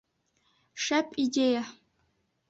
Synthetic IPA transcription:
ʂɐpʼideja

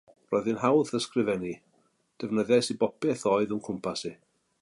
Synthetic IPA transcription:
rɔjðɨnhawθəskrɪvɛni | d̥ɛvnəðɛsibɔpʰɛθɔːɨðənkʰʊmpʰasi

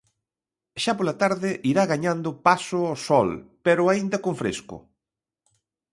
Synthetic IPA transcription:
ʃapolat̪aɾðɪʔiɾaɣaɲand̪ʊpasʊɔsɔlpeɾʊaind̪ɐkoɱfɾḛskʊ̰

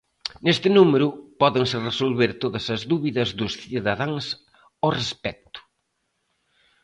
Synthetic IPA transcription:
nest̪ɪnumeɾʊpɔðeŋsɪresolβeɾt̪oðɐsɐzðuβiðɐzðʊsθiðɐðaŋs | orespɛk̚t̪ʊ̥

